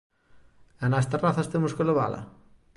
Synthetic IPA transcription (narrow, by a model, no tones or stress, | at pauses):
anast̪eraθɐst̪emʊskeloβa̰lɐ̰